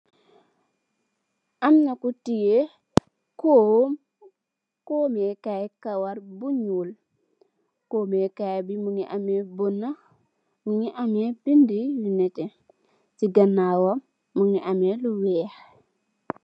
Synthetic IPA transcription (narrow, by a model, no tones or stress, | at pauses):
amnakutije | kom | koːmekajkawaɾbuɲul | koːmekajbimuŋiʔamebonːa | muŋiʔamebindijunɛte | siɡanːawamː | uŋiʔameluwɛh